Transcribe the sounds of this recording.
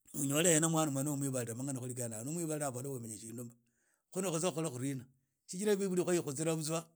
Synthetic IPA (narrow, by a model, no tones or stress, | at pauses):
uɲolejenamwanomanomwiβaliɾamaŋanixulikananomwiβaliaβolowemeɲaʃindomba | xunexut͡s̬aolaxuɾina | t͡ʃit͡ʃiɾaβiβulixixut͡siɾaβut͡swa